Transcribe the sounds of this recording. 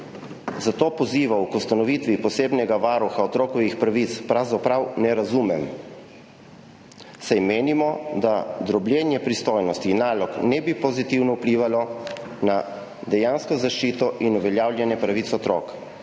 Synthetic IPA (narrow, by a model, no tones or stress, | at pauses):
zat̪oːpɔziːʋawkɔst̪anɔʋit̪ʋipɔseːbnɛɡaʋaɾuxaɔt̪ɾoːkɔʋixpɾaʋit̪spɾawzapɾawnɛɾazumɛm | sajmeːnimɔd̪ad̪ɾɔbljɛːnjɛpɾist̪oːjnɔst̪iːnːaːlɔknɛbipɔzit̪iwnɔwpliːʋalɔna | d̪ɛjaːnskɔzaʃt͡ʃiːt̪ɔʔinuʋɛljaːwlʲjɛnjɛpɾaʋit̪sɔt̪ɾo̰ːk